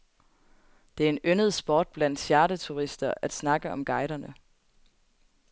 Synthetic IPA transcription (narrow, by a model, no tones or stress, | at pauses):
d̥e̝æɐe̝nønəð̞ˠsb̥ɒːd̥̚b̥læn̰d̥ɕjæɐɾət͡sʰuʁisd̥ɐʔæd̥snɑ̈ɡ̥əɒ̽mɡ̥ɑ̈ɪɾɐnə